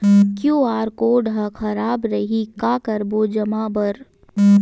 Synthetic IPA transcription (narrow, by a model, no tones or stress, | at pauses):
kjõːaːɾkoːɖɦɐxʰɐɾaːbɾɐɦikaːkɐɾboːd͡ʒɐmaːbɐɾ